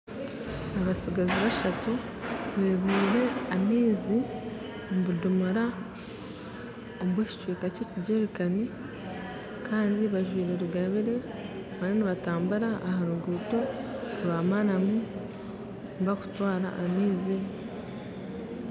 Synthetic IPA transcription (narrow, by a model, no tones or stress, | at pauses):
aβasiɡaziβaʃatu | βe̞ːβiːɾe̞amiːzi | mβudumuɾa | oβweːci̥t͡ʃweːkaceːciɟeβikani | kʰaːndiβaʒwiːɾeɾuɡaβiɾe̞ | βaneniβataːmbuɾaʔːhaɾuɡuːto̞uaːmanamu | mβaku̥twaːɾa̰ʔːmiːzi